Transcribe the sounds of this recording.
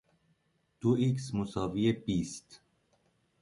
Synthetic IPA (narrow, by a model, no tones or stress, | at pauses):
d̪̥uiksmosɒːviebist̪